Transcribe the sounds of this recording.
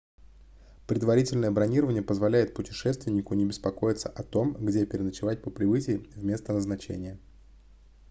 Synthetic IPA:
pɾʲɪd̪vɐɾʲitʲɪlʲnəjəbɾɐnʲiɾəvənʲɪjəpəzvɐlʲæjɪt̪̚pʊtʲɪ̥ʂɛst̪vʲɪnʲɪkʊnʲɪbʲɪspɐko̞jɪt̪səʔɐt̪o̞mɡdʲepʲɪɾʲɪnət͡ɕɪvat̚ʲpəpɾʲɪvɨtʲɪjvmʲe̞st̪ənəznɐt͡ɕḛnʲɪjə

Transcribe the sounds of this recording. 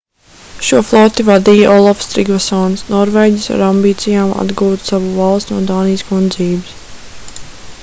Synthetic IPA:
ʃuɔflˠɔt̪ivad̪iːjaʔɔlˠafst̪ɾiɡvasɔːnsnɔɾvɛjɟʲisa̰ɾambiːt̪sijaːma̰d̪ɡuːt̪savuvalˠst̪nuɔd̪aːnijskund̪ziːbɪs

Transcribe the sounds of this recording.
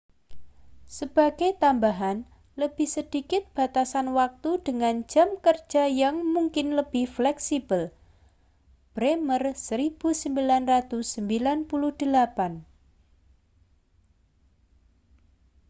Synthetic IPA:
səb̥a̤ɡ̥et̪ambaɦan | ləb̥ɪhsəd̥ikɪt̪̚b̥a̤t̪asanwak̚t̪uɖ̥əŋand͡ʒ̥a̤mkərd̥d͡ʒ̥a̤jaŋmuŋkɪnləb̥ɪhflɛksib̥əl | b̥ɾemərsəɾib̥usəmbilanrat̪usːəmbilanpulʊhd̪̥əlapan

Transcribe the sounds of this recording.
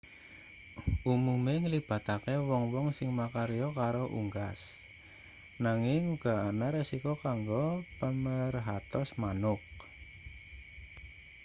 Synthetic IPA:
ʔumumeŋəlib̥ä̤t̪akewɔŋwɔŋsɪŋmakaɾijɔkaɾoʔṵŋɡas | naŋɪŋuɡ̥a̤anaɾesikokaŋɡopəmərɦat̪ɔsmanʊk̚

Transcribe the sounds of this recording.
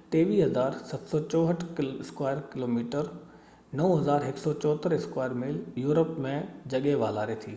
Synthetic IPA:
t̪eːʋiːɦɐzaːɾsɐt̪sɔt͡ɕɔːɦəʈʰɪskwaːjəɾkɪloːmiːʈəɾ | nɐʊɦɐzaːɾɦɪksɔt͡ɕɔːt̪əɾɪskwaːjəɾmɪljuːɾəpmẽd͡ʑɐɠeʋaːlaːɾet̪ʰiː

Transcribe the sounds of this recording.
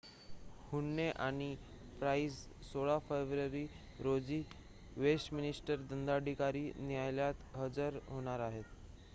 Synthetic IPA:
huɳːeʔaɽ̃i | pɾais | soɭafeʋɾəɾiː | ɾod͡ziː | ʋesminisʈəɾd̪ənd̪aɖʱikaɾiːnijajljat̪ɦəd͡zəɾɦoɽ̃aɾaɦet̪

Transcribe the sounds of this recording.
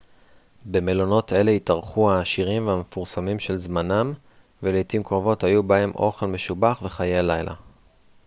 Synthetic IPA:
be̞melo̞no̞te̞le̞itaʁχuhaːʃiʁimveame̞fuʁsamimʃe̞lzmanam | velejtimkʁovo̞thajubahe̞mʔo̞χe̞lme̞ʃubaχve̞χajealajlʔa̰

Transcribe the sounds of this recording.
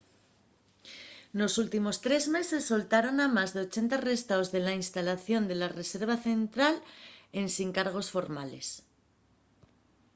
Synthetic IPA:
no̞sult̪imo̞st̪ɾe̞zme̞se̞sːo̞lt̪aɾo̞namazðe̞o̞t͡ʃe̞nt̪are̞st̪aozðe̞lainst̪alaθjo̞nd̪e̞lare̞se̞ɾβ̞aθe̞nt̪ɾale̞nsiŋkaɾɣ̞o̞sfo̞ɾmale̞̰s

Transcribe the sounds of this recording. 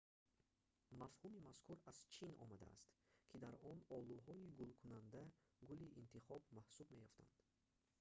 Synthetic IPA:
mafhumimaskʰuɾaz̥t͡ʃʰinɔ̰mad̪a̰ːst̪kʰid̪aɾɔnɔluɦɔiɡulkʰunand̪a | ɡuliʔint̪ʰiχɔbmahsubme̞jɔft̪ʰa̰nd̪̥

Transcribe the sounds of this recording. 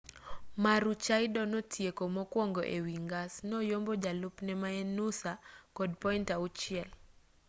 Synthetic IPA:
maɾut͡ʃaɪdɔnotʰjekomɔkwɔŋɡɔʔewiŋɡasnɔjombɔd͡ʒalupnɛmaɛnusakɔdpɔintaut͡ʃɪɛl

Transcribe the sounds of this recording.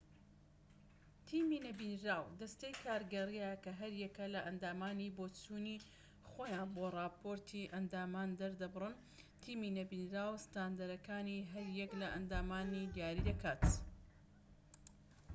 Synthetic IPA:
t̪ʰiːmiːnɐbinɾaːwd̪ɐst̪ejkʰaːɾɡɐriakɐɦɐɾjɛkɐlɐʔɐnd̪aːmaːniboːt͡ʃuːni | xoːjaːnborˤɑːpʰoɾt̪ʰiʔɐnd̪aːmaːnd̪ɐɾd̪ɐbɨrɨn | t̪ʰiːminɐbiːnɾaːwst̪aːnd̪ɐɾɐkaːniɦɐɾjɛklɐʔɐnd̪aːmaːnid̪jaːɾid̪ɐkʰaːt̪

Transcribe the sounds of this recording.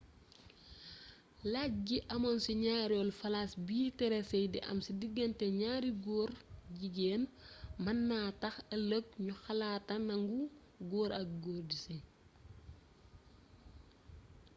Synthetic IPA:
lac̚ɡiʔɐmɐnsiɲaːɾjɔlfɐlasbiːtɛɾɛsɛjdḭʔɐ̰msidiɡːɐntɛɲaːɾiɡɔːɾɟiɡɛːnmɐnːaːtɐxɐləkɲuxɐlaːtɐnɐŋɡu | ɡɔːɾɐk̚ɡɔːrdisi

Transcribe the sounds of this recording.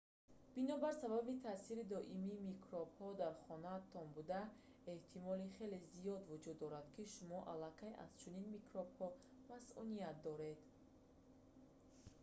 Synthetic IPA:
b̥inɔbaɾsababit̪ʰasiɾid̪ɔʔimiːmikʰɾɔbhɔd̪aɾχɔnat̪ʰɔnbud̪a | eht̪ʰimɔliχe̞le̞zijɔd̪vud͡ʒud̪ːɔɾad̪kʰiʃumɔʔalakʰaja̰z̥t͡ʃʰuninmikɾobhɔmasʔunijat̪̚d̪ɔɾe̞d̪̥

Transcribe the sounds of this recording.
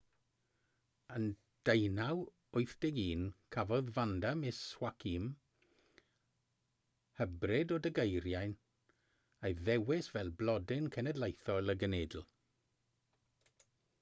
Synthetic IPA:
ən | d̥ejnaw | ʊɨθd̥ɛɡiːnkʰavɔðvandamɪswakʰim | həbrɪdɔdəɡejɾjajn | ejðɛwɪsvɛlˠblɔdɪnkʰɛnɛdlˠejθɔlˠəɡəneːdl̩ˠ

